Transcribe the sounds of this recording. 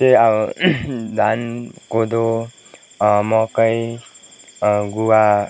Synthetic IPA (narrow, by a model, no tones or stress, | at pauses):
tea | d̪ankod̪o | mɔkəj | ɡuwa